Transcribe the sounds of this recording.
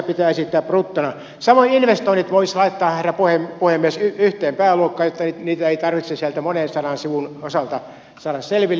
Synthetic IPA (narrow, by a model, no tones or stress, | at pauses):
pit̪æːesit̪ːæːpprut̪ːonɑ | sɑmoiinʋest̪oinːit̪ʋoislɑit̪ːɑːhhæræpuhempuhemːiesyyht̪ˑeːmpæːluokːɑːjot̪ːɑnit̪niːt̪æeit̪ɑrʋit̪sesiælt̪æmonensɑnɑnsiʋunosɑlt̪ɑ | sɑːdɑsselʋilː